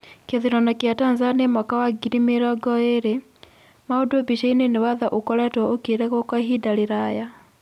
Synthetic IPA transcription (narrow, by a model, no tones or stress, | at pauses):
keðiɾɔnakjatanzaniamɔkawaɡiɾimeɾɔɡɔeɾe | maodwɔbiʃainenewaðaʔokɔɾɛtwɔokeɾɛɣɔkwaɦidaɾiɾaja